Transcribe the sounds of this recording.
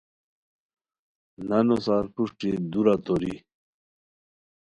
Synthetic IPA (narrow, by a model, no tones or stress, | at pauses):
nanosaːɾpuʂʈid̪uɾat̪oɾḭ